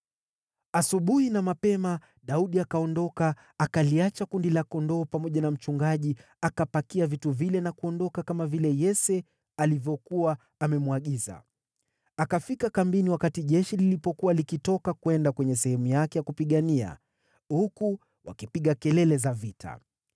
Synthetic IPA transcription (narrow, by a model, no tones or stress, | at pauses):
asuɓuhinamapɛma | ɗauɗiakaɔndɔka | akaliat͡ʃakundilakɔndɔːpamɔʄanam̩t͡ʃuŋɡaʄi | akapakiavituvilɛnakuɔndɔkakamavilɛjɛsɛ | alivjɔkuwaː | mɛmuaɠiza̰ | akafikakambiniwakatiʄɛʃililipɔkuwalikitɔkakuwɛndakwɛɲɛsɛhɛmujakɛjakupiɠania̰ | huku | wa̰kipiɠakɛlɛlɛzavitʰa̰